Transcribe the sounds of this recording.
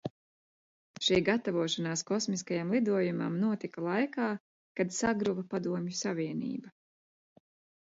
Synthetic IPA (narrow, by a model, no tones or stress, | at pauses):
ʃijɡat̪avuɔʃanaːskɔsmiskajamlˠid̪uɔjuma̰mnuɔt̪ikalˠajkaː | kad̪saɡɾuvɐpad̪uɔmjusavʲiɛnḭːba